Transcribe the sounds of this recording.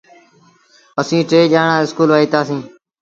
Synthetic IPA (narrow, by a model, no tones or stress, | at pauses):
əsĩːʈeːʄaːɳãːɪskuːlʋaːiːt̪aːsĩː